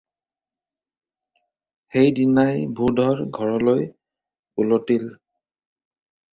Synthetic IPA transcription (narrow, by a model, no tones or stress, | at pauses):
xejdinajbʱudʱɔɹɡʱɔɹɔloj | ulotil